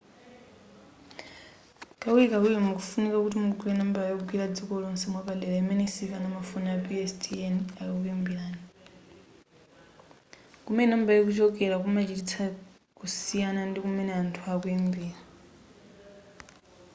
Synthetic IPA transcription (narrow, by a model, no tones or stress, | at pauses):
kʼawiikawiɛmukufunikakutimuɡwiɛnambajɔuɡwiɾad͡zikɔlɔnsɛmwapalɛlaimɛnisifanamafunaapiɛstʰʼiɛnajɔkukwimbiɺaːni | kumɛnambajɔk̬ut͡ʃɔkɛɾakumat͡ʃitit͡sʰa | kusijanandikumɛnɛantʰuakuimbiːɾa